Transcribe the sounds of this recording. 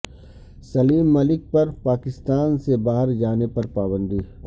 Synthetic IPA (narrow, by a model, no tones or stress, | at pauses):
sɐliːmːɐlɪk̚pɐɾpaːkɪst̪aːnsebaːɦəɾd͡ʒaːnepɐɾpaːbə̃nd̪iː